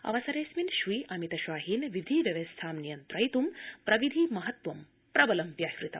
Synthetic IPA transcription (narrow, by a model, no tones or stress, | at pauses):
ɐ̰ʋɐsɐɾeːsminʃʋiːʔɐmit̪ɐʃʋaːɦiːnʋid̪ʱiʋjɐʋɐst̪ʰaːmnijɐnt̪ɾɐjt̪umpɾɐʋid̪ʱimɐɦɐt̪ʋɐm | pɾɐbɐlɐmpjaːhɾit̪ɐ̰m